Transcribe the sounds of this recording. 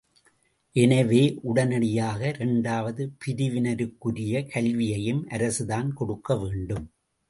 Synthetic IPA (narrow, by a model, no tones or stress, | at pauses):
ʔɛnɐʋeːʔʊɽɐnɐɽɪjaːɣɐɾɛɳɖaːʋɐðɯpɪɾɪʋɪnɐɾɯkːɯɾɪjɐkɐlʋɪjɐjɯmʔɐɾɐsɯðaːnkɔɽɯkːɐʋeːɳɖɯm